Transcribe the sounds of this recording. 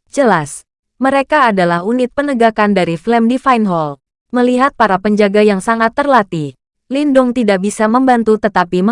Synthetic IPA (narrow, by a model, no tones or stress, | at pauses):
d͡ʒəlas | məɾekaːdalahunɪt̪̚pənəɡakandaɾiflɛmdifajnɦɔl | məliɦat̪̚paɾapəɲd͡ʒaɡajaŋsaŋat̪ːərlat̪i | lindʊŋt̪idaʔbisaməmbant̪ut̪ət̪apimə